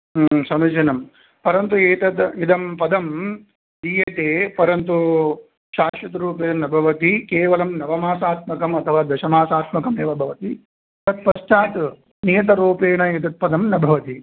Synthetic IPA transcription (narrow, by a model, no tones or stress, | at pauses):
sɐmid͡ʒinɐm | pɐɾɐnt̪ueːt̪ɐt̪id̪ɐmpɐd̪ʱɐm | iːjɐt̪eːpɐɾɐnt̪u | ʃaːʃʋɐt̪ɐɾuːpeːnɐbʱɐʋɐt̪ikeːʋɐlɐmnɐʋɐmaːsaːt̪̚mɐkɐmɐt̪ʰɐʋaːd̪ɐʃɐmaːsaːt̪mɐkɐmeːʋɐbʱɐʋɐt̪i | t̪ɐt̪̚pɐʃt͡ʃaːt̪ | nijɐt̪̬ɐɾuːpeːɳɐet̪ɐt̪̚pɐd̪ʱɐmnɐbʱɐʋɐt̪i